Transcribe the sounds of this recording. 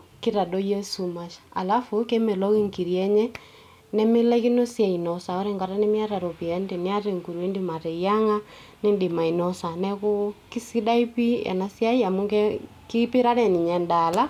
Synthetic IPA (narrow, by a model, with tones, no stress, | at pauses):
ki˦ɾa˨dɔ˦jɛ˦su˨ma˨ʃḁa˨la˦fu˨kɛ˦mɛ˨lɔ˦ɣi˦ŋki˨ɾiɛ˦ɲɛ˦ | nɛ˦me˦lɛ˦ki˦no˦sja˨i˨nɔ˨sa˨ɔ˦ɾɛ˦ŋɡa˨ɾa˦nɛ˦mi˦a˦ɾa˨ɾɔ˨pi˨ɛ˦ndɛ˨ne˦a˦ɾe˨ŋku˨ɾwe˦ndima˨ɾɛ˨ija˦ŋa˦ | ne˦ndi˨ma˨i˨nɔ˦sa˨nɛ˦ko˦ki˦si˦da˦i˦pi˦ɛ̰˨na˨sja˦i˦a˨mu˦kɛ | ki˦pi˦ɾa˦ɾɛ˦˨ni˨ɲɛ˨nda˨la˦